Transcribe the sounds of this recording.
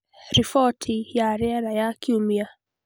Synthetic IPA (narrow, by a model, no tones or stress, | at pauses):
ɾifɔtʰijaɾɛaɾajakiumia